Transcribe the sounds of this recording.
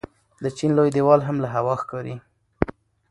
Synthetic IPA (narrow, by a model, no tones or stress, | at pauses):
d̪ət͡ʃinlojd̪ewɑlɦamlaɦawɑxkɑɾi